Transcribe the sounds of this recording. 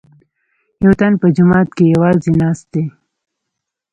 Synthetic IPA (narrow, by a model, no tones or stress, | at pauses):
jawt̪anpəd͡ʒʊmɑːt̪kejawɑːzinɑːst̪̚d̪e